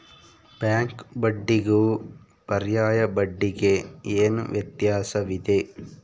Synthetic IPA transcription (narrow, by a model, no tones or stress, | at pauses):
bjaːŋkbɐɖːiɡuu | pɐɾjaːjɐbɐɖːiɡeeːnṵʋjɐt̪jaːsɐʋid̪e